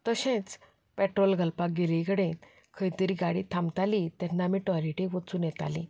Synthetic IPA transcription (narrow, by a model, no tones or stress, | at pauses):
t̪əɕẽt͡s | pɛʈɾolɡʱəlpaɡelikəɽẽ | kʰəjt̪əɾiːɡaɽit̪ʰamt̪alit̪ɛnːamĩʈɔɾiʈĩʋət͡suːnjɛt̪a̰lḭ̃